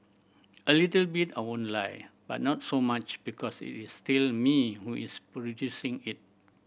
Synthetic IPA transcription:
ʔəlitəlbitawõnlajb̥a̰t̚nɔtsomat͡ʃb̥ikʰɔsḭtistilmihuʔispɹɔdjusĩŋit̚

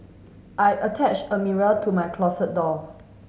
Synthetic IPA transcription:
ʔajətʰɛt͡ʃəmiɹəltʰumajkʰlɔsət̚dɔ

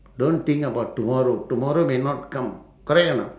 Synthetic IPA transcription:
ɖõːn̚t̪ʰĩŋkɐbaʈʈumɔɾoːʈumɔɾoːmẽnɔʈ̚kɐ̃m | kɔɾejɐna̰

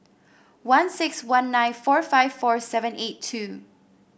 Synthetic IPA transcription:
wʌ̃nsɪkswãnːãɪ̃nfɔɹfaɪv̥fɔɹsɛvə̃netʰːʉ

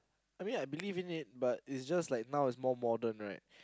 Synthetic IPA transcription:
aɪmĩnaɪbilivĩnɪt̚batɪtsd͡ʒastlaɪk̚naʊɪtsmɔmɔdə̃nɹaɪt̚

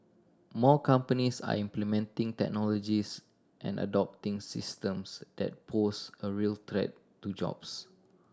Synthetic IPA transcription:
mɔkãmpənisa̰ĩmplimɛ̃ntĩŋtɛ̰k̚nɔlɔd͡ʒis | ʔɛ̰̃nə̰dɔp̚tĩŋsistə̃msd̥ɛ̰t̚pʰosəɹiəlt̪ɹɛ̰tːud͡ʒɔ̰ps

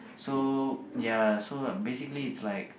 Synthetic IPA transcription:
sojasobesɪkliːtslaɪk

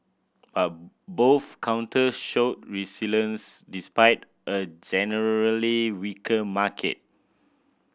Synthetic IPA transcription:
b̥at̚ | boθkʰãw̃ntʰəsʃot̚ɹisilə̃nsdispaɪt | ʔəd͡ʒɛnəɹɹəliwikʰəmakʰɛ̰t̚

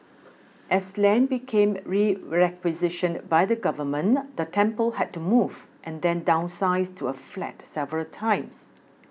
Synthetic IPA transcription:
ʔɛslɛ̃nbikʰẽmɹiɹɛkwizɪʃə̃nbajdəɡʌvəmə̃nd̪ətʰɛ̃mpəlɦɛd̚tumuvʔɛ̃nd̪ɛ̃ndãʊ̃nsaɪstʰuəflɛ̰tsɛvəɹəltʰãɪ̃ms

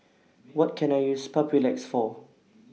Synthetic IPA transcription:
wɔt̚kʰɛ̃najjuspʰapʰilɛksfɔ

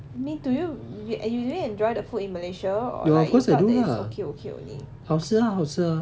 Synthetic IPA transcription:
amĩntujujʔɛnjuduĩɛ̃ndɹaɪdəfutĩnməleʃaɔ̰jɛɔfkɔsajduaokʰeokʰeo̰kḛhawsəɦawsə

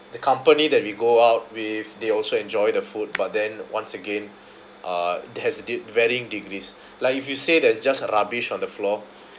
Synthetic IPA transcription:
dəkʰãmpənidɛt̚wiɡoaʊt̚wiθdeɔlsoɛ̃nd͡ʒɔjdəfut̚bat̚dɛ̃nwãnsəɡẽn | ʔahɛswɛɹiĩŋdiɡɾis | laɪkifjusedɛsd͡ʒasəɹabiʃɔ̃ndəflɔ

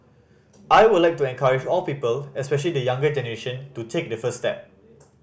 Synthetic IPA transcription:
ʔajwudlajk̚tuɛ̃nkʰaɹid͡ʒɔlpipəlɛspɛʃ̬əlidəjãŋɡəd͡ʒɛnəɹeʃə̃ntutʰek̚dəfəsstɛp̚

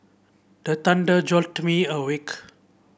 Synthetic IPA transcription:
d̥ət̪ãndəd͡ʒɔltmĩəwik

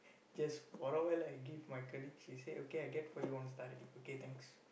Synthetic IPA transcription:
d͡ʒasfɔɾəwaɪlajɡivmajkɔliɡʃiseʔokeajɡɛtfɔjuɔ̃nstaɾdĩoket̪ʰɛ̃ŋks

